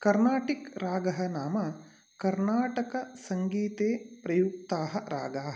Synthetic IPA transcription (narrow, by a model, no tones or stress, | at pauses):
kɐɾnaːʈikɾaːɡɐɦɐnaːmɐ | kɐɾnaːʈɐkɐsɐŋɡiːt̪eːpɾɐjuk̚t̪aːɦɐ̆ɾa̰ːɡaːɦɐ